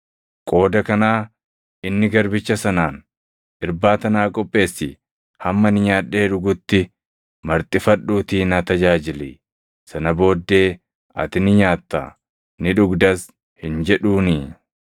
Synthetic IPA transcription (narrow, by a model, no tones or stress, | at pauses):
kʼo̞ːd̪ɐkɐnaː | ɪnːɪɡɐɾbɪt͡ʃːɐsɐnaːn | ʔɪɾbaːt̪ɐnaːkʼɔpʼːe̞ːsːɪ | hɐmːɐnɪɲaːᶑe̞ːᶑʊɡʊt̪ːɪ | mɐɾt̪ʼɪfɐᶑːuːt̪iːnɐt̪ɐd͡ʒaːd͡ʒɪli | sɐnɐbo̞ːd̪ːe̞ː | ɐ̰t̪ɪnɪɲaːt̪ːɐ̰ | nɪᶑʊɡd̪ɐs | hɪnd͡ʒɛᶑuːni